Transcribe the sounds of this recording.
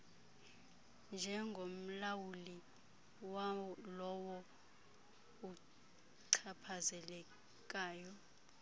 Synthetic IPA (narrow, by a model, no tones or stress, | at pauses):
nd͡ʒʱɛŋɡʱom̩lawuli | lɔwɔ | u | ǀʰapʰazɛlɛ | k̬ʼaːjɔ